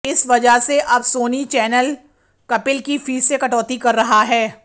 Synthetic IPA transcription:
ɪsʋɐd͡ʒəɦseʔɐbsoːnit͡ʃɛːnəl | kɐpɪlkifiːsekɐʈɔːt̪ikɐɾːɐɦaɦɛː

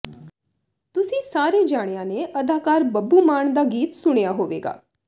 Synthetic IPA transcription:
t̪ʊsĩsaːɾed͡ʒaːɽ̃janeʔəd̪ʱaːkaːɾbəbːumaːɳ̃d̪aɡiːt̪sʊɽ̃jaɦoːʋḛːɡa̰ː

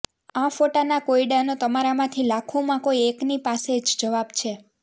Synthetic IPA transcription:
afoʈanakoiɖanot̪əmaɾamãt̪ʰilakʰumãkoieknipased͡ʒd͡ʒəʋabt͡ʃʰe

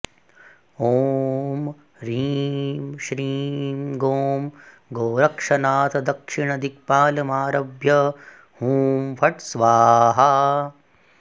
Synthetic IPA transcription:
oːm | ɾimʃɾiːmɡoːm | ɡoːɾɐkʂɐnaːt̪ɐd̪ɐkʂiɳɐd̪ik̚paːlɐmaːɾɐbjɐ | huːmpʰɐʈsʋaːɦɐ

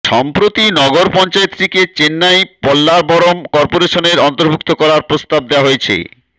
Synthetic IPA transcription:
ʃɔmpɾot̪inɔɡoɾpɔnt͡ɕaet̪ːɾiket͡ɕenːajpɔlːaɾbɔɾomkɔɾpoɾeʃoneɾɔnt̪oɾbʱuk̚t̪okɔɾaɾpɾost̪ab̚d̪eaɦojet͡ɕʰḛ

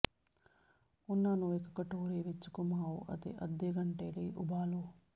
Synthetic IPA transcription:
unːanuekɐkɐʈuːɾeːʋet͡ʃːu̥kumaːwuʔɐ̰t̪ḛʔɐd̪ːeːɡɐɳʈeːliṵbaːlu

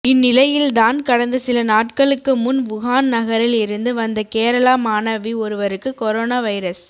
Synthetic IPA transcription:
ɪnːɪlɐjɪld̪aːnkɐɽɐnd̪ɐsɪlɐnaːʈkɐɭɯkːɯmʊnʋʊɣaːnnɐɣɐɾɪlɪɾɯnd̪ɯʋɐnd̪ɐkeːɾɐlaːmaːnɐʋiɔɾɯʋɐɾɯkːɯkɔɾoːnaːʋɐɪɾɐs

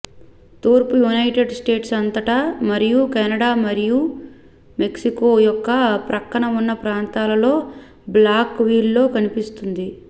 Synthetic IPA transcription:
t̪uːɾpujunɐjʈe̞ɖsʈe̞ːʈsɐnt̪ɐʈɐmɐɾijukɛːnɐɽaːmɐɾiju | me̞ksiko̞ːjɔkːɐpɾɐkːɐɳɐmunːɐpɾaːnt̪aːlɐlo̞ː | blaːkʋiːlːo̞ːkɐnipist̪und̪i

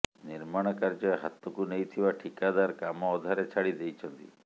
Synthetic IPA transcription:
niɾmaɽ̃ɔkaɾd͡ʒɔɦat̪ːɔkunejt̪ʰiwaʈʰikad̪aɾkamɔːd̪ʱaɾet͡ʃʰaɽid̪ejt͡ʃʰɔnt̪ḭ

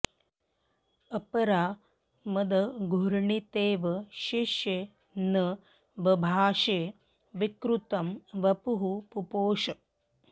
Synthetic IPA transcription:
ɐpɐɾaː | mɐd̪ɐɡʱuɾɳit̪eːʋɐʃiʃjeː | nɐ | ʋɐbʱaːʃeː | ʋikɾut̪ɐmʋɐpuɦupupoːʃɐ

